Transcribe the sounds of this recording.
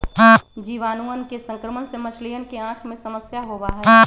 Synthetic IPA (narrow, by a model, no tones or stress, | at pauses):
d͡ʒiːʋaːnuːənkesə̃ŋkɾəmənsemət͡ʃʰlijənkeãːkʰmẽsɐməsjaɦoʋaːɦ